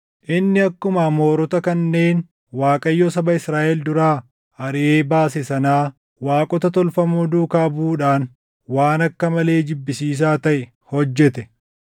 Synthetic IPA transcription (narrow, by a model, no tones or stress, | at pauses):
ʔɪnːɪɐkːʊmɐmo̞ːɾɔt̪ɐkɐnːe̞ːn | waːkʼɐjːɔːsɐbɐɪsɾaːʔɛld̪ʊɾaː | ɐɾɪʔeːbaːs̬ɛsɐnaː | waːkʼɔt̪ɐt̪ɔlfɐmuːd̪uːkaːbuːᶑaːn | waːnɐkːɐmɐle̞ːd͡ʒɪbːɪsiːs̬aːt̪ɐʔɛ | hɔd͡ʒːɛt̪ɛ